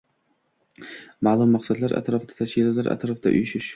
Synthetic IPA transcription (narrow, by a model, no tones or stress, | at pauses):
maːlˠʊmːɑqsad̪laɾʔa̰t̪ʰɾɒfd̪ḁt̪ʰaʃkʲɪlalaɾʔa̰t̪ɾɒfd̪a̰ʔʊ̰jʃɪʃ